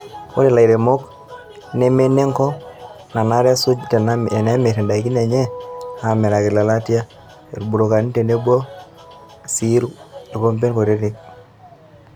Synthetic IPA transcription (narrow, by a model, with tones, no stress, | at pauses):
o̰˦ɾe˨la˨i˨ɾe˨mo˦k | ne˦me˦ne˦ŋkɔ˦ | na˨na˦ɾa˦su˦d͡ʒi˦te˨n˦e˨ne˦me˨te˨nda˨ki˦ne˨ɲɛ˦a˨mɛ˨ɾa˨kɪ˨la˨la˦tja˦ | ḛ˨ɾbu˨ɾo˨ka˨ni˦te˨ne˦bwo˦ | si˦ɾu˦e˨ko˦mpe˦nko˨ɾe˦ɾɪ˦k̚